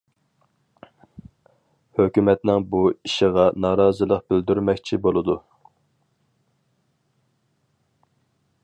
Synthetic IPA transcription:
høkʲymɛt̪nɪŋbuiʃɪʁɑnɑːɾɑːzɨlˠəqbɪld̪yɾmɛkʲt͡ʃʰibolˠɨd̪u

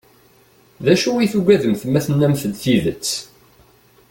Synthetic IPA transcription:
ðæʃuiθuɡʷæðəmθəmːæθənːæmθəd̪θiðət͡sː

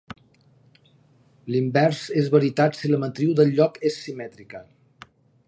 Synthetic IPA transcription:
limbɛɾsezβəɾit̪at̪siləmət̪ɾiwðəlʎɔkesːimɛt̪ɾikə

